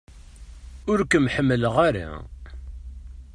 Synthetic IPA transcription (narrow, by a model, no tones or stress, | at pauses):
ʊɾkəmħəmːələʁaɾa̰